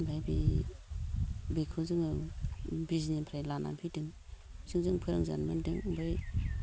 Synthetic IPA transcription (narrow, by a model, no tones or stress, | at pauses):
bʱajbi | bekʰɯzɯŋɯ | bɾizinenpʰɾajlana̰mpʰidɯŋzɯŋzɯŋpʰɯɾa̰ŋza̰nmɯndɯŋbaj